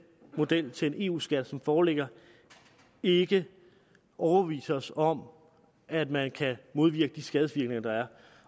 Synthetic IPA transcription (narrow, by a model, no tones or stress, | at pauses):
mo̝d̥el̰t͡sʰe̝le̝nʔe̝̰ːṵːsɡ̥æd̥sɒ̽mfɒːleɡ̥ɐ | e̝ɡ̥ə | ʔɒʊɐb̥eʋḭːsɐɒ̽sɒ̽m | ʔæd̥mænkʰæmo̝ð̞ˠʋiɐɡ̥əd̥isɡ̥ɛð̞ˠʋiɐɡ̥ne̝ŋɐd̥ɑ̈æɐ